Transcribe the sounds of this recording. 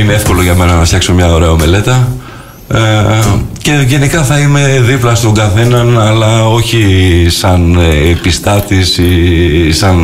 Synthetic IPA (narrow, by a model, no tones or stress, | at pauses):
ineefko̞lo̞ʝɐme̞nɐnɐft̪çɐksoɲɐo̞ɾe̞ɐme̞le̞t̪ɐ | ce̞ʝe̞nikɐθɐime̞ðiplɐst̪o̞ɡɐθe̞nɐnɐlɐo̞çisɐnpist̪ɐt̪isisɐn